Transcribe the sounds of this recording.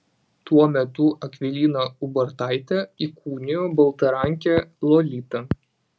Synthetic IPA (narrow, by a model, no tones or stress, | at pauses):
t̪uɔmʲɛt̪ʊɐkʲʋʲɪlʲiːnɐʊbɐɾt̪ɑˑɪt̪ʲɛikʰuːnʲɪjoːbɐlˠt̪ɐɾɑˑŋʲkʲɛlˠɔlʲiːt̪ɐ